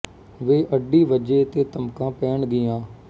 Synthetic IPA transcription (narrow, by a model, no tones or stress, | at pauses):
ʋeːʔəɖiːʋəd͡ʒeːt̪eːt̪əmkãːpɛːɳɡɪjãː